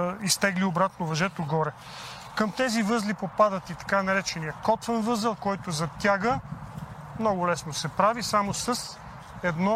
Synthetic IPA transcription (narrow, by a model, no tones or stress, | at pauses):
ist̪ɛɡliobɾat̪novɐʒɛt̪oɡɔɾɛ | kəmt̪ɛzivɤzlipopad̪ət̪it̪ɐ̥kanɐɾɛt͡ʃɛnijəkɔt̪vənvɤzəlˠkɔjt̪ʊzɐt̪ʲaɡə | mnɔɡʊlɛsnosɛpɾavisamosəs | ɛd̪nɔ